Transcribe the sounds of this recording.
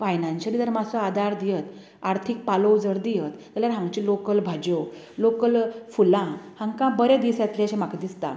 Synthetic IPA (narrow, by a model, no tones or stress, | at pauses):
fajnãnɕəliːd̪əɾmasoad̪ʱaɾd̪ijət̪ | aɾt̪ʰik̚palod͡zəɾd̪ijət̪təljaɾɦãŋɡt͡ɕilokəlbʱad͡ʑo | lokəlfulãhãŋkãbəɾed̪isjat̪leaɕemakd̪ist̪a̰